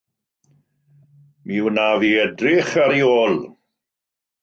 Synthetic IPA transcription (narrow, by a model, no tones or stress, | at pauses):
miwnaviɛdrɪχaɾioːl